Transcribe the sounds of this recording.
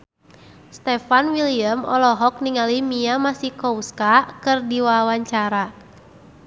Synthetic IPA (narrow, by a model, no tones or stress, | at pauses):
st̪ɛfanwiliəmɔ̰lɔɦɔk̚niŋalimiamasikɔuskakɨrdiwawaɲt͡ʃaɾa